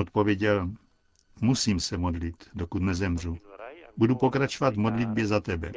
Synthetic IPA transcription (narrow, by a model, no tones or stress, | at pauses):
ot̪̚po̞vjɛɟɛl | musiːmsɛmo̞dlit̪dokut̪nɛzɛmr̝ubudupo̞kɾat͡ʃovat̪vmo̞dlɪd̪̚bjɛzat̪ɛbɛ̰